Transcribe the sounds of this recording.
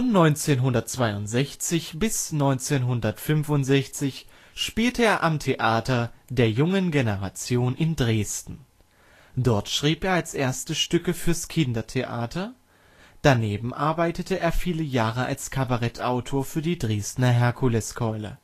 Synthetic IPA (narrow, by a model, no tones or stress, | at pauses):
fɔnːɔʏnt͡seːnɦʊndɐt̚t͡sv̥aɪʊntz̥ɛçt͡sɪçb̥ɪsnɔʏnt͡seːnɦʊndɐtfʏmvʊntz̥ɛçt͡sɪç | ʃpiːltəeːɐʔamtʰeʔaːtɐdeːɐjʊŋənɡenəʁat͡sjoːnʔɪndʁeːstn̩ | dɔɐtʃʁ̥iːpeːɐalsʔeːɐstəʃtʏkəfyːɐskʰɪndɐtʰeʔa̰ːtʰɐ | d̥aneːbm̩ʔaɐbaɪtətʰəʔeːɐfiːləjaːʁəʔa̰lskʰabaʁɛtʰʔaʊtʰoːɐfyːɐdiːdʁeːstnɐɦɛɐkʰulɛskʰɔʏlə̰